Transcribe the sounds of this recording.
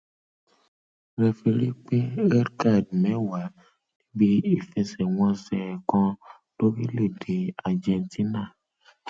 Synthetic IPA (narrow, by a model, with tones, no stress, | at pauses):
ɾɛ˨fe˧ɾi˦k͡pe˦ɛ˦ɾka˦˨d̚mɛ˨˦wa˨ | nĩ˦bi˦i˨fɛ˧sɛ˨wɔ̃˦sɛ˨kɔ̃˧ | d̥o˦bi˦le˦˨de˨a˨d͡ʒɛ˨nti˦na˦˨